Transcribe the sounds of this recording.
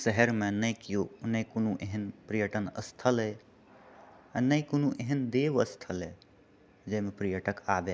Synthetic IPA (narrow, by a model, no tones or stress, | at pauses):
səɦəɾmenəjkijonəikonuʔeɦənpɾijəʈənə̰st̪ʰəlɦɛ | nəikonuʔeɦənd̪eʋəst̪ʰəlɦe | d͡ʒəimepɾijəʈəkabe